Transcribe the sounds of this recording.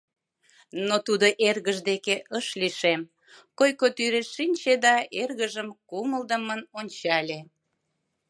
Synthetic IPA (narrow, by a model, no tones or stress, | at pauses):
not̪ud̪oʔerɣəʒd̪ekeʔəʃliʃem | kojkot̪yɾeʃːinʲt͡ɕed̪ɑerɣəʒəmkuməld̪əmənonʲt͡ɕɑlʲe